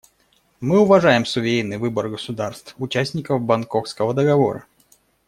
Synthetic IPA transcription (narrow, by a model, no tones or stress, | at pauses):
mɨʊvɐʐajɪmsʊvʲejnːɨjvɨbərɡəsʊd̪arst̪fʊt͡ɕæsʲnʲɪkəvbɐnkofskəvəd̪əɡɐvo̞̰ɾə̰